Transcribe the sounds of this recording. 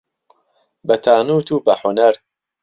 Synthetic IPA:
bɐt̪ʰaːnuːt̪ʰuːbɐħʊnɐɾ

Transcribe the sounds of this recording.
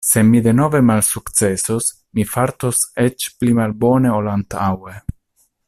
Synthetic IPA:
se̞mid̪e̞no̞ve̞malsukt͡se̞sos | mifaɾt̪o̞set͡ʃplimalbo̞ne̞olant̪awe

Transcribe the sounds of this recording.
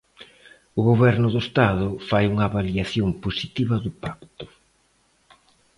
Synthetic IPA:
ʊɣoβɛɾnʊðʊest̪aðʊfajuŋɐːβaliaθjomposit̪iβɐðʊpak̚t̪ʊ̥

